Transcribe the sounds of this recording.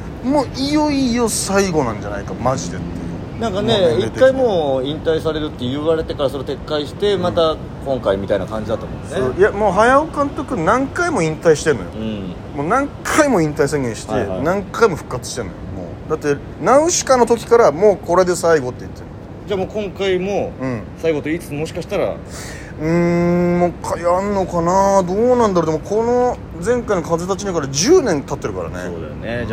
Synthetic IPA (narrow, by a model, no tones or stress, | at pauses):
moːʔijoijo̞saiɡo̞nãɲ̟d͡ʑana̰ikamaʑid̪e̞t̪ːḛjɯ̰ | nãŋkane̞iekt̪kːaimoːĩnt̪aisaɾe̞ɾɯ̟t̪ːe̞jɯβaɾe̞t̪e̞kaɾasoɾet̪e̞kːaiɕi̥t̪e̞mat̪a | kõ̞ŋkaimʲit̪aina̰kãɲ̟d͡ʑid̪at̪omõ̰eojamo̞ːɦajaokãnt̪o̞kɯ̟nãŋkaimo̞ĩnt̪aiɕi̥t̪e̞nojo̰ɯ̃ | moːnãŋkʰaimo̞ĩnt̪aisẽ̞ŋɡẽɕi̥t̪e̞nãŋkaimo̞ɸɯ̟̥kːat͡sɨ̥ɕi̥t̪e̞nːojo̰mo̰ːd̪at̪ːe̞ | naɯ̟ɕi̥kanːo̞t̪o̞kʲi̥kaɾamo̞ːko̞ɾe̞d̪e̞saiɡo̞t̪ːe̞it̪ːeɾɯ̰ | d͡ʑaːmoːkõ̞ŋkaimoɯ̟̃ɴsaiɡo̞t̪o̞iːt͡sɨ̥t͡smo̞ɕi̥kaɕi̥t̪aɾa̰ | ɯ̟̃makʰajanːo̞kanad̪o̞ːnãnd̪aɾod̪emokʰo̞no̞ | d͡zẽ̞ŋkaino̞kaze̞t̪at͡ɕiɲikaɾad͡ʑɨːnẽ̞nt̪at̪ːe̞ɾɯ̟ka̰ɾa̰nḛod̪̰ne